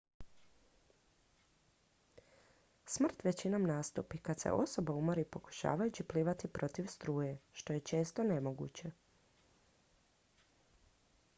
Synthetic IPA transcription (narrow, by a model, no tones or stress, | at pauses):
smr̩t̪ʋe̞t͡ɕinomnaːst̪ṵpikad̪sḛʔo̞̰so̞baumoɾipo̞ku̥ʃa̰ːʋajut͡ɕipliːʋat̪ipɾo̞t̪iʋst̪ɾuːjeʃt̪o̞je̞t͡ʃe̞ːst̪o̞ne̞mo̞ɡṵt͡ɕe̞